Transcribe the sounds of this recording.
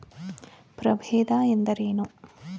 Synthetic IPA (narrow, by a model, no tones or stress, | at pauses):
pɾɐbʱeːd̪aːend̪ɐɾeːnu